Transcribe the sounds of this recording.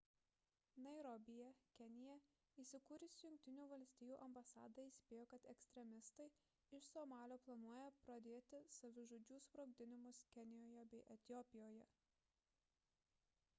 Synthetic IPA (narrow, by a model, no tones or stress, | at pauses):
nɐɪɾɔbʲɪjɛkʲɛnʲɪjɛ | iːsʲɪkuːɾʲɪsʲjʊŋʲk̚ʲt̪ʲɪnʲuːʋɐlʲsʲt̪ʲiːjuːʔɐmbɐsɑːd̪ɐiːsʲpʲeːjoːkɐt̪ɛksʲt̪ʲɾʲɛmʲɪst̪ɐɪ | ɪʃsoːmɑːlʲoːplˠɐnuɔjɛpɾɐd̪ʲeːt̪ʲɪsɐʋʲɪʒoːd͡ʒʲuːspɾoɡ̚ʲd̪ʲɪnʲɪmʊskʲɛnʲɪjoːjɛbʲɛɪʔɛt̪ʲɪjɔpʲɪjoːjɛ